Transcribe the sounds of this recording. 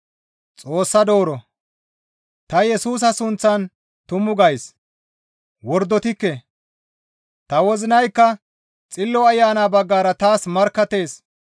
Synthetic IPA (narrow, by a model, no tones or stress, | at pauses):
t͡sʼo̞ːsːɐd̪o̞ːɾɔ | t̪ɐjɛsuːs̬ɐsʊnt͡sːɐn | t̪ʊmʊɡɐjs | wɔɾd̪ːɔt̪ɪkːɛ | t̪ɐwɔzɪnɐjkːɐ | t͡sʼɪlːɔɐjːaːnaːbɐɡːaːɾɐt̪aːsmɐɾkːɐt̪e̞ːs